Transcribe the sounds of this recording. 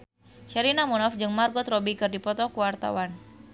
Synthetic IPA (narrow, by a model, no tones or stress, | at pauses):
ʃɛɾinamunafd͡ʒɨŋmarɡɔt̪rɔbikɨrdipɔt̪ɔkuwart̪a̰wan